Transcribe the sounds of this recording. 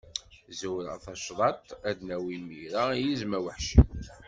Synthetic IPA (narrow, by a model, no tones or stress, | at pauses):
zuɾæ̰θɑʃðˤɑt̪ˤæd̪næwimiɾajizmæwəħʃḭ